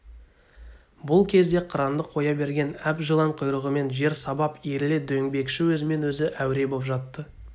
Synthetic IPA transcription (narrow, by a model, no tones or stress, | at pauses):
bʊlˠkʲʰe̞zd̪e̞qʰəɾɑnd̪əqʰo̞jɑbe̞ɾɡʲe̞næpʒəlˠɑɴqʰʊjɾəʁəme̞nʒe̞ɾsɑbɑpiɾɪled̪ɵjɪŋbe̞kʃɪwɵzɪme̞nwɵzɪʔæwɾe̞bopʒɑt̪ːə